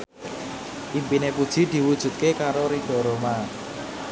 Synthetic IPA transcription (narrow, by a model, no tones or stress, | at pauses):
ʔimpinepud̥ʒ̥i̤d̪̥i̤wud̥ʒ̥ṳt̪̚kekaɾoɾiɖ̥ɔ̤ɾoma